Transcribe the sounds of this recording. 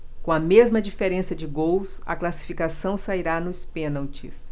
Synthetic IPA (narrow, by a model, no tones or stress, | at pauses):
kõɐmezmɐd͡ʒifeɾẽsɐd͡ʒɪɡowsɐ̰klasi̥fikasɐ̃w̃saiɾanʊɪspẽnawt͡ʃḭs